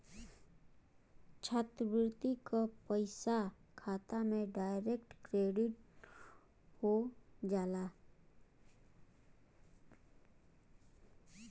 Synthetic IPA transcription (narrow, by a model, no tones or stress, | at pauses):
t͡ʃʰaːt̪bɪɾt̪ikapəɪsakʰaːt̪amẽɖaːɪɾek̚ʈkɾeːɖɪʈ̚ | hod͡ʒaːlaː